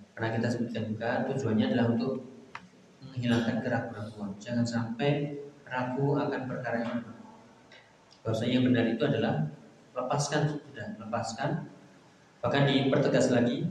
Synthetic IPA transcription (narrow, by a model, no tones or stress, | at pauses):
pənakit̪asəbut̪ikand͡ʒukat̪ud͡ʒuaɲaːdalaɦunt̪ʊk̚ | məŋɦilaŋkankəɾakuɾakuand͡ʒaŋansampɛjɾakuakanpərkaɾaɲaənaku | bausaɲajaŋbənarit̪uadalah | ləpaskanit̪udaləpaskan | b̥ahkadipərt̪əɡaslaɡi